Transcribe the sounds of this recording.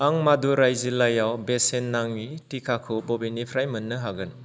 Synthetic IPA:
aŋmaduɾajzilajawbesenːaŋitikʰakʰubɔbinipʰɾajmɯnːɯɦaɡɯn

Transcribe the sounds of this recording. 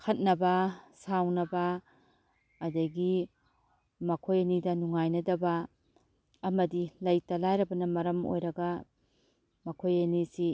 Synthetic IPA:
kʰɐt̚nɐbɐsawnɐbɐ | dɐɡi | mɐkʰojɐnidɐnuŋajnɐdɐbɐː | mɐdilɐjtɐlajɾɐbɐnɐmɐɾɐmo̰jɾɐɡɐ | mɐkʰojɐnisi

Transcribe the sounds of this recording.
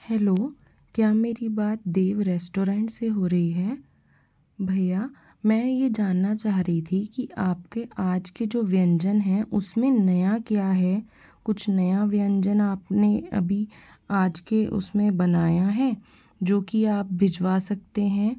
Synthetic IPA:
hɛːloː | kjaːmeːɾibaːt̪̚d̪eːʋɾɛːsʈoːɾɛ̃ːɳʈseɦoːɾɐɦiɦɛː | bʱɐjaː | mɛ̃ːjed͡ʒaːnːat͡ʃaːɦɾəɦit̪ʰikiʔaːpkeʔaːd͡ʒked͡ʒoːʋɪjə̃ɲd͡ʒənɦɛ̃ʔʊsmẽnɐjakjaːɦɛ | kʊt͡ʃʰnɐjaʋɪjə̃ɲd͡ʒənaːpneɐ̰bʱi | aːd͡ʒkeʔʊ̰smẽbɐnaːjaɦɛː | d͡ʒoːkiaːp̚bʱɪd͡ʒʋaːsɐk̚t̪eɦɛ̃ː

